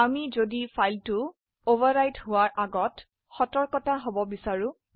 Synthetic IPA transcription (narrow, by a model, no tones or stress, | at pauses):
amizodipʰajltʊ | obaɹɹajthʊwaɹʔaɡɔt | xɔtɔɹkɔtaɦobɔbisaɹʊ̃